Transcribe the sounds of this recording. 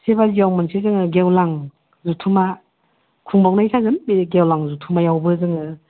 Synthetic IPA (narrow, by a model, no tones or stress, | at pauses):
sebazijawmansʰezɯŋɯɡewlaŋ | zutʰuma | kʰuŋbawnajsʰazɯnbeɡewlaŋzutʰumajawbɯzɯŋɯ